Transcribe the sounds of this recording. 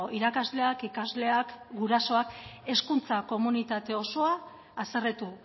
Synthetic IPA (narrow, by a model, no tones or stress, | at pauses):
iɾakazle̞akikazle̞akɡuɾaso̞ake̞skunt͡sako̞munit̪at̪e̞o̞so̞aː | seret̪u